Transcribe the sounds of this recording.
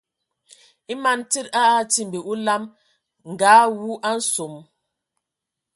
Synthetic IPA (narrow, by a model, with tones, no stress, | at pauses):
i˦ma˦˨nti˦ta˦a˦ti˦mbi˨ʔu˦la˦m | ŋ̩˨ɡaː˨˦wu˦ʔa˦n̩˦so˨m